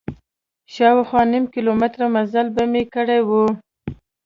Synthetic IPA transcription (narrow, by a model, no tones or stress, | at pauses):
ʃɑwaxwɑnimkilomɪt̪ɾamazalbamekəɽejwu